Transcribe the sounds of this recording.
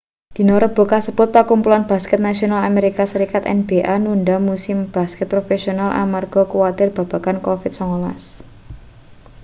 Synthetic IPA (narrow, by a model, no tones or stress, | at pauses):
d̪̥i̤noɾəb̥ɔ̤kasəb̥ʊt̪̚pakumpulanb̥a̤skɛt̪̚nasionalameɾikasəɾikat̪ɛ̰nb̥eʔanuɳɖamusɪmb̥a̤skɛt̪̚pɾofesionalʔa̰marɡ̥ɔ̤kuwat̪ɪrb̥a̤b̥a̤kankofɪt̪̚sɔŋolas